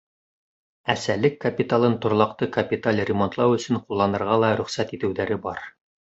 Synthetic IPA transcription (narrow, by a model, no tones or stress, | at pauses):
æsælɘkːɐpʲit̪alˠɤnt̪ŏɾlˠɑqt̪ɤkɐpʲit̪alʲrʲɪmont̪lˠɑwɵ̆sɵɴqulˠːɑnɤ̆ɾʁɑlˠɑɾɵ̆χsæt̪it̪ɘ̆wðæɾɘbɑɾ